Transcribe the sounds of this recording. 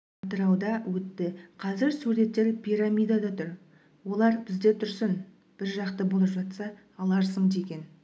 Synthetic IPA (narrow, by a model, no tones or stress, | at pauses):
ɑt̪əɾɑwd̪ɑwɵt̪ːɪqʰɑzɪɾsuɾe̞t̪ːe̞ɾpʰʲijɾamijd̪ɑd̪ɑt̪ʰʊɾ | wo̞lˠɑɾbɪzd̪e̞t̪ʰʏɾsɪn | b̥ɪɾʒɑqt̪əbo̞lˠəpʒɑt̪sɑː | lˠɑɾsəɴd̪e̞ɡʲe̞n